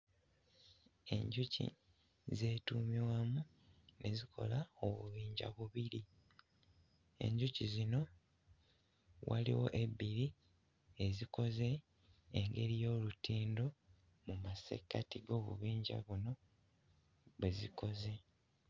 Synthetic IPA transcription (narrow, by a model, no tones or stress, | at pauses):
e̞̰ɲɟucḭ | ze̞ːtuːmiwamu | nʔe̞zikʰo̞̰laoβṵβiːɲɟa̰βuβiɾi | e̞̰ɲɟucizino̞ | walḭwo̞̰ʔe̞biɾi | eziko̞ze̞ː | ŋɡe̞ɾijo̞ːlutiːndo̞ | mumasḛkatiɡo̞βṵβiːɲɟa̰βuno̞ | βweziko̞ze̞